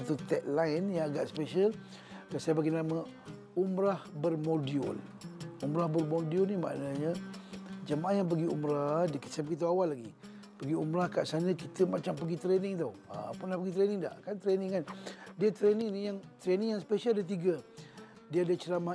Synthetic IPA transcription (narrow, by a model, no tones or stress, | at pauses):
t̪ut̪ɛʔ̚lajnjaŋaɡaʔsə̥peʃəl | kasajabaɡinamə | umɾahbərmodiʊ̰l | umɾahbərmodiɔlnima̰ʔnaɲə | d͡ʒəmaʔajaŋp̬əɡiṵmɾadikə̥səpkit̪̬əawalːaɡi | pəɡiumɾahkaʔsanəkit̪əmat͡ʃaŋpəɡit̪ɾenɪŋt̪aa̰punlahpəɡit̪ɾenɪŋda̰ʔkant̪ɾenɪŋandiət̪ɾenɪŋnijaŋt̪ɾenɪŋjaŋspeʃəldət̪̬iɡə | diəadat͡ʃəlama